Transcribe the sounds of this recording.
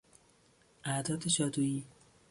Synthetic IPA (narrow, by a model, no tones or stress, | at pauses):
ʔæd̪ɒːt̪ʰeʃɒːd̪uːiː